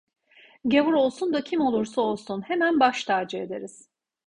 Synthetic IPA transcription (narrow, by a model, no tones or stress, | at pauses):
ɟevuɾo̞lˠsund̪acʰimo̞lˠuɾsaolˠsunhemænbaʃt̪ʰaːɾd͡ʒied̪e̞ɾiz̥